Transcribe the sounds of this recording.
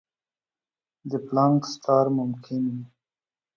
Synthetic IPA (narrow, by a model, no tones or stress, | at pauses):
d̪əplaŋksʈɑːɾmʊmkʰɪni